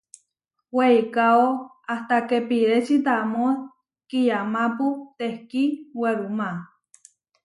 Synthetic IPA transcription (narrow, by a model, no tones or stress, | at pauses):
weikao | aht̪akepiɾet͡ʃit̪amo | kijamaput̪ehkiŋweɾuma